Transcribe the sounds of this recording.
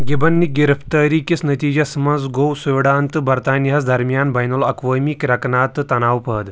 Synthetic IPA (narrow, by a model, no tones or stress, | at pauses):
ɡibɐnːiɡiɾɐpt̪ɐɾikisnɐt̪iːd͡ʒɐsɐmɐnd͡zɡowsuʋiɽaːnt̪ɨbɐɾt̪aːnijɐsd̪ʱɐɾmjaːnbɐjnulɐkʋəmikɾɐknaːt̪t̪ɐnaːwpəːd̪